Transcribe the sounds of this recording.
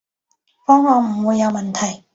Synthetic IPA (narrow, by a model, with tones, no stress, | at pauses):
fɔː˥ŋɔː˨˧m̩˨˩wuː˨˧jːɐ˨˧wmɐ˨˩nt̪ʰɐ˨˩j